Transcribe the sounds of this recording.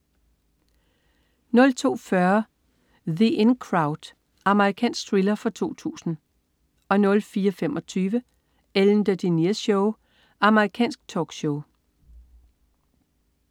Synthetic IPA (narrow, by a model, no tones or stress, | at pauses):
nɔ̽lt͡sʰo̝̰ːfɶɐ | ðiʔenkʰʁɑ̈ʊd̥ | ʔɑ̈məʁikʰɛ̰ːnsɡ̥t͡sʰʁilɐfɒ̽t͡sʰo̝̰ːt͡sʰṵːsn̩ | ɒ̽nɔ̽lfiːɐfemʔɒ̽t͡sʰyːʋə | eln̩d̥əd̥iniɐɕɔʊ | ɑ̈məʁikʰɛ̰ːnsɡ̥̚t͡sʰɒːɡ̥ɕɔʊ